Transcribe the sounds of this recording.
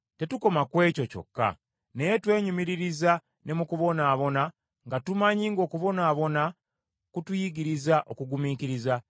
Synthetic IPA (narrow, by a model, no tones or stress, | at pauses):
te̞tuko̞makwe̞ːco̞co̞̰kːa̰ | ne̞jetwe̞ːɲumiɾiɾiza | ne̞mukuβo̞naːβo̞na | ŋɡatumaɲiːŋɡo̞ːkuβo̞naːβo̞na | kutujiɡiɾizaʔo̞kuɡumiːkiɾiza